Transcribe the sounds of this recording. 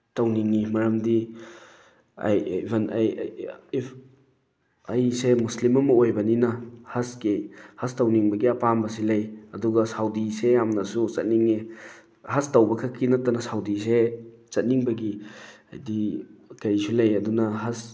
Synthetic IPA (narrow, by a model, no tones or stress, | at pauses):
tɐwniŋːimɐɾɐmdi | a̰jbenaj | ɐjsemuslimɐmɐojbɐninɐhɐskehɐstɐwniŋbɐɡiɐpambɐs̬ilɐjɐduɡɐsawdisejamnɐsut͡ʃɐt̚niŋːi | hɐstɐwbɐkʰɐkinɐtːɐnɐsawdiset͡ʃɐt̚niŋbɐɡiɐ̰jdikɐjsulɐjɐdunɐɦɐs